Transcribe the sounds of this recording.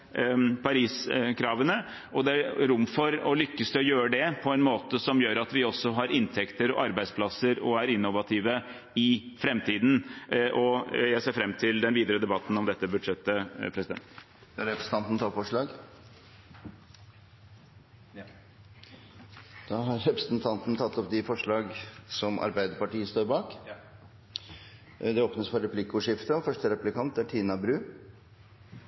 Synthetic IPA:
pʰɑɾiːskʰɾɑːʋənə | ɔd̪ɛæɾɾʊmːfɔɾɔlʏkːəsd̪ɛɔjøːɾəɖ̪ɛpʰɔɛnmoːt̪əsɔmjøːɾɑt̪ʋɪɔsːɔɦɑɾɪnt̪ʰɛkt̪əɾɔʔɑɾbæɪspʰlɑsːəɾɔ̰æɾɪnːʊʋɑt̪ʰiːʋə | ɪfɾɛmt̪ʰiːd̪n̩ʔɔjæɪseːɾfɾɛmːt̪ʰɪld̪ɛnʋiːd̪əɾəd̪ɛbɑt̪ːn̩ɔmd̪ɛt̪ːəbʉd̪ʂɛt̪ːəpʰɾɛsɪd̪ɛ̰nt̪ | d̪ɾɛpɾəsn̩ʰɑnt̪n̩t̪ʰɑfɔʂɭɑːɡ | d̪̥ɑːɦɑɾːɛpɾəsnt̪ʰɑnt̪n̩t̪ʰɑt̪ːɔpd̪ɪfɔʂɭɑːɡsɔmʔɑ̰ɾbæɪd̪əɾpɑʈiːəst̪oːɾbɑːk | d̪ɛoːpnəsfɔɾɛpʰlɪkːʊʂɪft̪əɔfœʂʈəɾɛpʉlɪkʰɑnt̪̚d̪æʈʰiːnɑbɾʉː

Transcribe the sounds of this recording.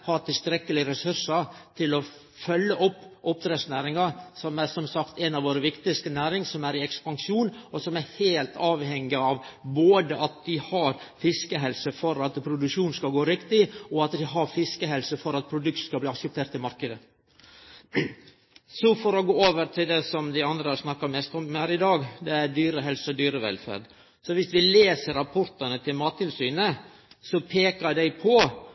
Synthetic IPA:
hɑːɾt̪ɪlst̪ɾɛkːəlɪɾɛsʉɾʂɑt̪ʰɪlɔ | fœlːəʔɔpːʔɔp̚t̪ʰɾeːsnæːɾɪŋɑsɔmæɾsɔmsɑkt̪ɛnɑʋoːɾəʋɪkt̪ɪst̪ənæːɾɪŋsɔmæɾɪɛkspɑŋʂuːnɔsɔmæɾheːlt̪ʰɑːʋhɛŋːɪɑʋboːd̪əʔɑt̪̚d̪ɪhɑɾ | fɪskəɦɛlsəfɔɾɑt̪pʰɾʊd̪ʉkʂuːnskɑɡoːɾɪkt̪ɪɔɑt̪d̪ɪɦɑɾfɪskəɦɛlsəfɔɾɑt̪̚pʰɾʊd̪ʉkt̪skɑbliːɑksəp̚t̪ʰeːɾʈt̪ɪlmɑɾkəd̪ə | sɔfɔɾɔɡoːoːʋəɾt̪ʰɪld̪ɛsɔmd̪æɪɑnd̪ɾəhɑɾsnɑkːɑmɛst̪ɔmhæːɾɪd̪ɑːɡd̪ɛæɾd̪yːɾəɦɛlsɔd̪yːɾəʋɛ̰lfæ̰ːɾd̪ | sɔʋɪsʋɪleːsəɾɑpʰɔɾt̪ənət̪ʰɪlmɑːt̪ʰːɪlsyːnə | sɔpʰeːkəd̪æɪpʰɔ

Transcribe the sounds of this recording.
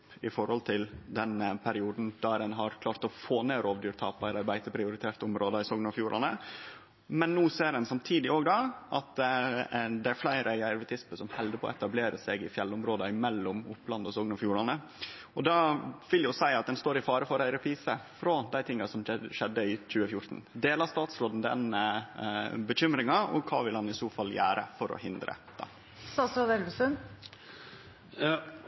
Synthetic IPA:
ɪfɔɾhɔlt̪ʰɪld̪ɛnpʰæɾɪuːd̪n̩d̪̥æɾɛnɦɑɾkʰlɑːɾt̪ɔfoːneːɾoːʋd̪yːɾt̪ʰɑːpæɪɾɑɾbæɪt̪əpʰɾɪʊɾɪt̪ʰeːɾt̪əʊmɾoːd̪ɑɪsɔɡnɑfjuːɾʔɑnə | mɛnːuːseːɾdɛnsɑmt̪ʰiːd̪ɪoːɡd̪ɑʔɑt̪ | d̪ɛæɾflæɪɾəɪæɾʋət̪ʰɪsməsɔmhɛld̪əpʰɔ̰ɛt̪ɑbleːɾəsɛɡɪfjɛlːʊmɾoːd̪əɪmɛlːʊmʊ̰plɑnd̪ɔsɔːɡnɑfjuːɾɑnə | ɔd̪ɑʋɪljʊsæɪɑt̪̚d̪ɛnst̪oːɾɪfɑːɾəfɔɾɖæɪɾɛpʰɾiːsəfɾod̪æɪt̪ʰɪŋːɑsɔmʃɛd̪ːəɪc͡çʉːəfjʊɾt̪n̩d̪eːlɑst̪ɑːt̪sɾoːd̪n̩d̪ɛ̰n | bəçʏmɾɪŋɑɔ̰kʰɑ̰ːʋɪlhɑnɪsuːfɑlːjæ̰ːɾə̰fɔɾɔ̰hɪnd̪ɾə̰d̪̥ɑ̰ː | sɑːsɑd̪ɛlʋɪsən

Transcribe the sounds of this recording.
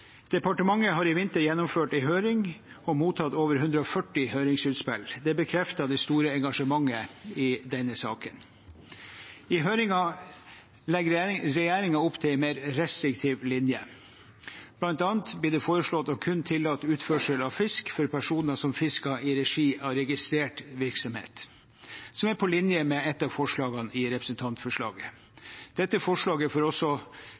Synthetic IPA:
d̪̥ɛpɑʈəmɑŋːəɦɑɾɪʋɪnt̪əɾjɛnːɔmføːʈɪɦøːɾɪŋ | ɔmuːt̪ʰɑt̪oːʋəɾhʉnd̪ɾəɔfœʈːɪhœʏɾɪŋsʉːt̪spɛld̪ɛbəkʰɾɛft̪ɑd̪ɛst̪uːɾəɛŋɡɑʂəmɑŋːəɪd̪ɛnːəsɑ̰ːkən | ɪɦœʏɾɪŋɑ | lɛɡɾɾɛjæːɾɪŋɑʊpt̪ʰɪlɛmeːɾɾɛst̪ɾɪkt̪ʰiːʋlɪnjə | b̥lɑnt̪ɑːnt̪bliːd̪ɛfoːɾəʂlɭɔt̪ːɔkʰʉnt̪ʰɪlːɑt̪ːʉːt̪fœʂəlɑʋfɪskfɔɾpʰæʂuːnəsɔmfɪskɑʔɪɾɛʂiːʔɑɾɛɡɪst̪ɾeːʈʋɪɾksɔmhḛːt̪ | sɔmæɾpʰɔlɪnjəmɛɛt̪ːɑfɔʂɭɑːɡɑnɪɾɛpɾəsnt̪ʰɑnt̪fɔʂɭɑ̰ːɡə | d̪̥ɛt̪ːəfɔʂɭɑːɡəfɔːɾɔsɔ

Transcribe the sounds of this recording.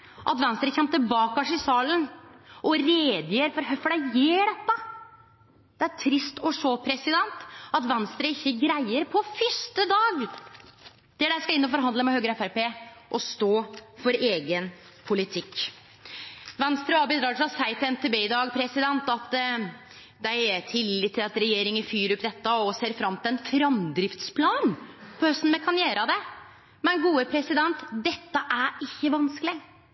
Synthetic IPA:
ʔɑ̰t̪ʋɛnst̪ɾəçɛmt̪ːəbɑːkɑʂɪsɑːlənʔɔɾeːd̪jəɾfɔɾɦœfɔɖæɪjeːɖɛt̪ːə | d̪̥ɛæɾʈʰɾɪst̪ɔʂopʰɾɛsɪd̪ɛnt̪ɑt̪ʋɛnst̪ɾəɪçːəɡɾæɪəɾpʰɔfʏst̪əd̪ɑːɡ | d̪̥ɛɖæɪskɑɪnːɔfɔɾɦɑnd̪ləmɛhøːɡəɾəɛfæɾpeː | ʔɔst̪oːfɔɾeːɡən | pʰʊlɪt̪ʰɪkː | ʋɛnst̪ɾəɑːbəd̪ɾɑːʈ̪ʰɪlɑsæɪt̪ɪɛnt̪ʰeːbeːd̪ɑːɡpʰɾɛsɪd̪ɛnt̪ɑt̪ | d̪æɪt̪ʰɪlːɪːt̪ːɪlɑt̪ɾɛjeːɾɪŋəfyːɾʊpːd̪ɛt̪ːəɔseːɾfɾɑmːt̪ʰɪlɛnfɾɑmd̪ɾɪft̪spʰlɑːnpʰɔhœst̪n̩mɛkʰɑnjeːɾɑd̪ɛ | mɛnɡuːəpʰɾɛsɪd̪ɛnt̪d̪ɛt̪ːəʔæɾɪçːəʋɑnsklɪ

